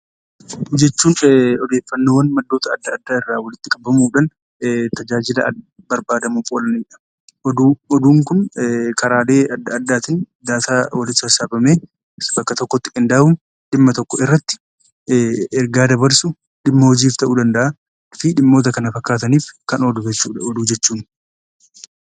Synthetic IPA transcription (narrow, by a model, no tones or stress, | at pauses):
d͡ʒɛt͡ʃːuːnɔd̪e̞ːfːɐnːo̞ːwɐnmɐd̪ːo̞ːt̪ɐɐd̪ːɐːd̪ːaːɪrːaːwɐlɪt̪ːɪkʼɐbɐmuːᶑɐn | t̪ɐd͡ʒaːd͡ʒɪlɐ | bɐɾbaːd̪ɐmuːfʼoːlɐnɪjᶑɐ̥ | d̪ɔd̪uːŋkʊnkʰɐɾaːleːʔɐd̪ːɐd̪ːaːt̪ɪn | d̪aːt̪aːwɐlɪt̪ːʊɐsaːbɐmeː | sbɐkːɐt̪ɔkːɔt̪ːɪ̥kʼɪnd̪ɐʔɐuːn | ᶑɪmːɐt̪ɔkːɔɪrːɐt̪ːɪ̥ | ɛɾɡaːd̪ɐbɐɾsʊ | ᶑɪmːɐhɔd͡ʒiːft̪ɐʔuːd̪ɐnd̪ɐʔa | fɪᶑɪmːo̞ːt̪̬ɐkɐnɐfɐkːaːt̪ɐniːfkɐnod̪ʊɛt͡ʃːuːɔd̪uːd͡ʒɛt͡ʃːuːn